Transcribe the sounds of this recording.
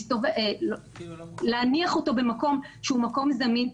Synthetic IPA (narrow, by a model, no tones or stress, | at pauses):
tovl | leaniaχo̞to̞be̞mako̞mʃeumako̞mzamin